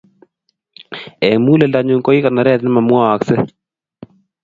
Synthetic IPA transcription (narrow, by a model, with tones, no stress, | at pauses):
ɛ˨ŋmu˦lɛ˨lda˨ɲʊŋkɔ˦i˦kana˨ɾɛ˦t̪nɪ˦ma˨mwɔː˦˨ksɛ˦